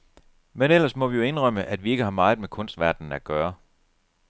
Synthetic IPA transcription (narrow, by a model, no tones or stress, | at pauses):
menel̰ɐsmɒ̽ʋijoe̝nʁɒm̰əʔæd̥ʋie̝ɡ̥əhɑ̈mɑ̈ːð̩ˠmekʰɔ̽nsd̥ʋæɐd̥n̩æɡ̥ɶːɐ